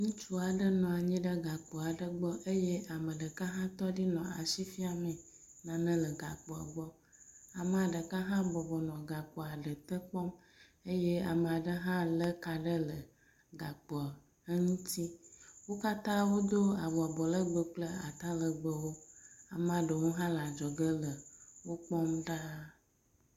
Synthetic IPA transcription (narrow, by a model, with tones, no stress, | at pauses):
ŋũ˦t͡ʃu˦a˨ɖə˦nɔ̃˨a˨ɲĩ˦ɖə˦ɡa˨k͡pɔ˨a˨ɖə˦ɡ͡bɔ˦ʔe˦je˦ʔa˨mə˨ɖə˨ka˦ɦã˦t̪ɔ˦ɖi˦nɔ̃˨a̰˨ʃi˦fi˦a˨mə̃˨ | nã˨nə̃˦lə˨ɡa̰˨k͡pɔ˨a̰˨ɡ͡bɔ˦ | a˨mə˨a˨ɖə˨ka˦ɦã˦bɔ˨bɔ˨nɔ̃˨ɡa˨k͡pɔ˨a˨ɖə˨t̪ə˦k͡pɔ˦m | e˦je˦a˨me˨a˨ɖə˦ɦã˦lə˦ka˨ɖə˦lə˨ | ɡa˨k͡pɔ˨ | ə˦ŋũ˦t̪i˦wo˦ka˦t̪ã˦wo˦d̪o˦a˨βɔ˨a˨bɔ˨lə˦ɡ͡bə˦k͡plə˦a̰˨t̪a˦lə˨ɡ͡bə˦wo˦a˨m˨a˨ɖə˨wo˦ɦã˦la˨d͡ʒɔ˨ɡə˦lə˨wo˦k͡pɔ˦mɖa˦